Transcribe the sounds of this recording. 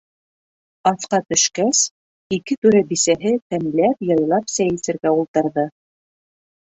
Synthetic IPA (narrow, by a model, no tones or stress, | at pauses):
ɑθqɑt̪ɵ̆ʃkæs | ikɘt̪ʉɾæbisæɦɘt̪æmlæpjɑjlˠɑpsæjɘ̆sɘ̆ɾɡæulˠt̪ɤ̆ɾðɤ